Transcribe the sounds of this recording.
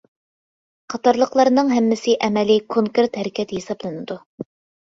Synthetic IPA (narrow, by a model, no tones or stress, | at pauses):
qʰɑt̪ɑɾlˠəqlˠɑɾnɨŋɦɛmːɪsɪʔɛmɛlɪkʰoŋkeɾt̪hɛɾɪkʲɛt̪jesɑblˠɨnɨd̪u